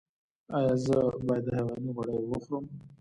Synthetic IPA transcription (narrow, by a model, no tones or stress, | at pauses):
ɑjɑzəbɑjad̪ːəhawɑjniɣaɽəjwəxɾəm